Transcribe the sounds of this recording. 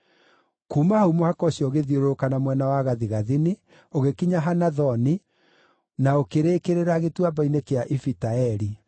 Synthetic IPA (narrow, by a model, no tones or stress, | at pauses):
kuːmahaumohakɔɕjɔɣeðioɾokanamwɛnawaɣaðiɣaðini | oɣekiɲaɦanaðɔni | naokeɾekeɾeɾaɣetwabainekeaʔifitaɛɾi